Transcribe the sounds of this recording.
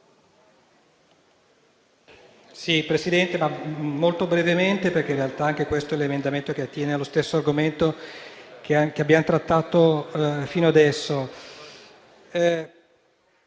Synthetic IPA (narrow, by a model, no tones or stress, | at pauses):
sipɾesid̪ɛnt̪emamːolt̪obɾevement̪eperkeinrealt̪aaŋkekwest̪oɛlemend̪ament̪ok̟eat̪ːjɛːnealːost̪esːoarɡoment̪o | kakeabːjamot̪ɾat̪ːaːt̪ofiːnoad̪ɛsːo